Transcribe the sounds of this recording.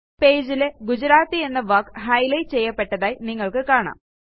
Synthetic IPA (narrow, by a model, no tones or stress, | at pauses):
pe̞ːd͡ʑileɡud͡ʑɐɾaːt̪ːie̞nːɐʋɐːkɦɐjlɐjt͡ɕe̞jːɐpːe̞ʈːɐðaːjiniŋːɐɭkɨkaːɳa̰ːm